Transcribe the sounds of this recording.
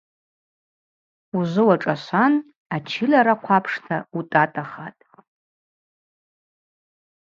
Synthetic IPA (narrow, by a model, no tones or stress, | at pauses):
uzɨwaʈ͡ʂʼaʃʷan | at͡ʃʰɪlaɾaqʷʰapʰʂtʰautʼatʼaχatʼ